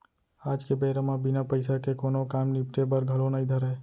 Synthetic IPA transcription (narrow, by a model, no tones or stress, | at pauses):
aːd͡ʒkebeːɾəmãbɪnapəɪsakekoːnokaːmnɪp̚ʈ̪ebəɾɡʱəlonaĩd̪ʱəɾe